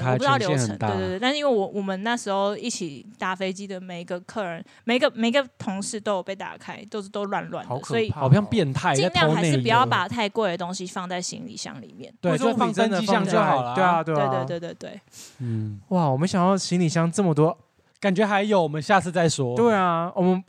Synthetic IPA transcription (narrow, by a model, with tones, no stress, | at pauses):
p̪ɑ˥˩ʊjo˥ʊ˧ə˨ə̰˧˦ŋt̪ae˥˧w̪̩˥˧˥ŋwe˥˩wɔ˨˩wʔɔ˨˩mə˨˦nna˥˩ʂɻ̩˧˥xo˧ʊi˥˩t͡ɕʰi˨˩t̪a˥˩fe˥ɪt͡ɕi˥d̪ə˨me˨˩ɪ˧ɡə˧kʰɤ˥˩ɻə˧˥n | me˨˩ɪ˦ɡə˧me˨˩ɪi˧˦ɡə˧t̪ʰʊ˧˥ŋʂɻ̩˥˩t̪o˥jpe˥˩ɪt̪a̰˨˩kʰa˥ɪt̪o˥˧ʊʂ̩˥˩t̪o˥ʊlwa˥˧nlwa̰˥˩n˧˦ʊkʰsɔ˩˦i˨˩˨pʰjɑ˥˧ŋpjɛ˥˧nt̪ʰa˥˧ɪ˥˩nljɑ˥˨˧a˧ɪ˥ɻ̩˥˨pu˨˩jɑ˥˩ʊpa˨˩t̪ʰa˥˧ɪkwɪ˨d̪ə˩t̪o˥ŋɕi˧fɑ˥˧ŋt͡sa˥˩ɪɕḭ˧˥ŋlḭ˨˩ɕjɑ̰˥˩ŋlḭ˨˩mjɛ̰˥˩˨nt̪we˥fɑ˥˧ŋə˥nd̪t͡ɕəi˥jɑ˥˧ŋjo˥˩ɑ˨˩ltwe˥e˥˩a˨t̪we˥˩e˥˧t̪we˥˧we˥˧t̪we˥˩ɪt̪we˥˩ɪ | wa˥˩wɔ˨˩mə˦nɕjɑ˨˩ŋjɑ˥˩ʊɕi˧˥ŋli˨˩ɕjɑ˥˧ŋt͡sə˥˩mə˩t̪̬wɔ˦ | ka˨˩nt͡ɕɥɛ˧˥xa˧˥ɪjo˨˩ʊwɔ˨˩mə˦nɕja˥˧t͡sʰɹ̩˥˧t͡sa˥˩ɪʂwɔ˥t̪we˥˩ɪa˩wʔɔ˨˩mə˦n